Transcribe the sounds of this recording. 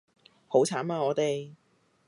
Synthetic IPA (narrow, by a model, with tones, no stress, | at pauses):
ho˨˥wt͡sʰaː˨˥nmaː˨˧ŋɔː˨˧t̪e˨j